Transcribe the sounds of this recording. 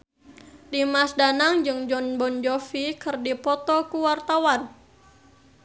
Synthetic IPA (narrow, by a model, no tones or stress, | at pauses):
dimasdanaŋd͡ʒɨŋd͡ʒɔnbɔnd͡ʒɔfikɨrdipɔt̪ɔkuwart̪awan